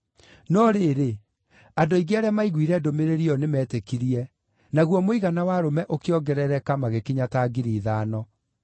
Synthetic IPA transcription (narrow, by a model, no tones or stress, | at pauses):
nɔɾeɾe | adoiɡeaɾɛamaiɣwiɾɛdomeɾeɾiɔnemɛːtekiɾiɛ | naɣwɔmoiɣanawaɾomɛʔokeɔɡɛɾɛɾɛkamaɣekiɲataɡiɾiːðaːnɔ